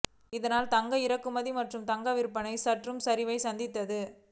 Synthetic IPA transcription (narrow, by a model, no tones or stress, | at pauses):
ɪðɐnaːlt̪ɐŋɡɐɪɾɐkːɯmɐðimɐʈrɯmt̪ɐŋɡɐʋɪɾɯpːɐnɐɪsɐʈrɯmsɐɾɪʋɐɪsɐnd̪ɪt̪ːɐðɯ